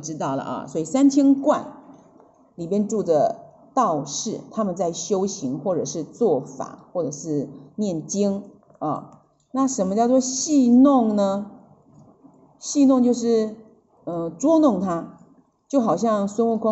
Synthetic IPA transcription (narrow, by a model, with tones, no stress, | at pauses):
ʈ͡ʂɻ̩˥t̪ɑ˥˩ʊlə̰˩ʔɐ̰˩swɔ˥i˨˩sa˥nt͡ɕʰjɛ˥nkwa˥˩n | li˨˩pjɛ˥nʈ͡ʂu˥˩d̪ə˩ | t̪ɑ˥˧ʊʂɻ̩˥˩t̪ʰa˥mə˨nt͡sa˥˩ɪɕjo˥ʊɕi˧˥ŋxwɔ˥˩ʈ͡ʂɤ˨˩ʂɻ̩˥˧t͡swɔ˥˩fa̰˨˩˦xwɔ˥˩ʈ͡ʂɤ˨˩ʂɻ̩˥˧njɛ˥˩nt͡ɕi˥ŋ | ɐ̰˥˧˩ | na˥˩ʂə˧˥nmə˧t͡ɕjɑ˥˧ʊt͡swɔ˥˧ɕi˥˧nʊ˥˩ŋnə˧ | ɕi˥˧nʊ˥˧ŋt͡ɕjo˥˧ʊʂɻ̩˥˩ | ə˥˧ʈ͡ʂwɔ˥nʊ˥˩ŋt̪ʰa˥ | t͡ɕjo˥˩ʊxɑ˨˩ʊɕ̬jɑ˥˩ŋswə˥nwu˥˩kʰwɑ˥